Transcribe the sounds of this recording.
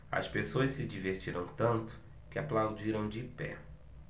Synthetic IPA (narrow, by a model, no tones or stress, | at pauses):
ɐ̰spesoɐssɪd͡ʒiveɾt͡ʃiɾɐ̃w̃t̪ɐ̃nt̪ʊ̥ | kɪaplawd͡ʒiɾɐ̃w̃d͡ʒɪpɛ̰